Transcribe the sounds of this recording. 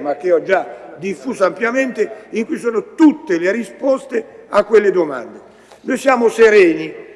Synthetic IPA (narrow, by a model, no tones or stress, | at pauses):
mak̟ːeɔd͡ʒːad̪ifːuːzampljament̪eiŋkujsoːnot̪ut̪ːelerispɔst̪e | akːwelːed̪oma̰nd̪e | nojsjaːmoseɾɛːni